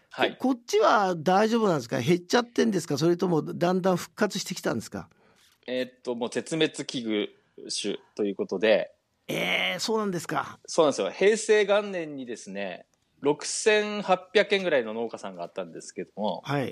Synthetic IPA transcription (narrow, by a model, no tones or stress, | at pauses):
haikot͡ɕːiβad̪aiʑo̞ːbɯnãnd̪esɨka̰ɦe̞t͡ɕːat̪ːẽ̞nd̪e̞sɨ̥kas̬o̞ɾe̞t̪o̞mo̞d̪ãnd̪ãɰ̃ɸɯ̟̥kːat͡sɨɕi̥t̪e̞kʲi̥t̪ã̰nd̪e̞sɨ̥ka̰ | et̪ːo̞mo̞ːt̪e̞t͡sɨme̞t͡sɨkʲiɡɯ̟ | ɕɨ̰t̪o̞jɯ̟ːko̞t̪o̞d̪e̞ | eːso̞ːnãnd̪e̞sɨ̥ka̰sonãnesjo̰he̞ːse̞ːɡãnːẽ̞ɲ̟ːid̪e̞sɨne̞̰ | ɾo̞kɯ̟̥sẽ̞ɰ̃hapʲːjakẽ̞ŋɡɯ̟ɾaino̞no̞ːkasãŋɡaːt̪ːãnd̪e̞sɨ̥ke̞d̪o̞mo̞hai